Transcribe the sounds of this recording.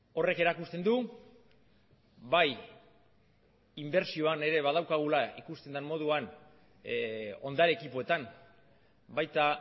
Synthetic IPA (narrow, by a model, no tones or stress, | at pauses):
o̞re̞ke̞ɾakust̪e̞nd̪u | baj | imbe̞ɾsio̞ane̞ɾe̞βaðawkaɣ̞ulaikust̪e̞nd̪anmːo̞ð̞uan | o̞̰nd̪aɾe̞ːkipo̞e̞t̪am | bajt̪a